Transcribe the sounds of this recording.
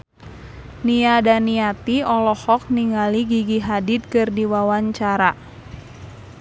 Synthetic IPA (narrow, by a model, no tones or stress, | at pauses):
niadaniat̪iɔlɔhɔk̚niŋaliɡiɡiɦadit̪̚kɨrdiwawaɲt͡ʃaɾa